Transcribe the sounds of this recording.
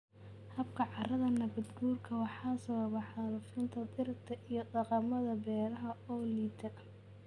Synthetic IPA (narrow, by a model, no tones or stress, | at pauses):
hɐb̚kʰɐʕɑrɐðɐnɐβɐd̪ɡuːrkʰɐwɑħɑːsɐβɐβɑħɑɾʊfɪnt̪ʰɐd̪ɪrt̪ʰɐʔijɞd̪ɑqɑmɐðɐbɛːɾɐɦɐɔːliːd̪ʰɐ